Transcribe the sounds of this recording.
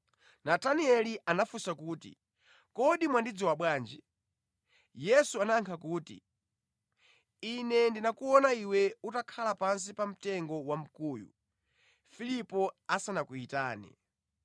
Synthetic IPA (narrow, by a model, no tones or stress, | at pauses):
nataniɛliʔanafusakuːtḭ | kɔɗimwandid͡zɔwaɓwaːnd͡ʒi | jɛsuanaŋkʰakuːtḭ | inɛndinakuɔnaiwɛutakʰalapans̬ipam̩tɛŋɡɔwam̩kuːjṵ | filipɔasanakuitaːnḭ